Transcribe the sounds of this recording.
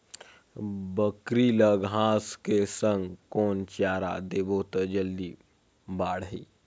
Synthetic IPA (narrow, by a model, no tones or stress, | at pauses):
bəkɾiləɡʱɦãskesəŋɡkont͡ɕjaɾa̰d̪ebot̪əd͡ʑəlːiː | baɽ̤ɦḭː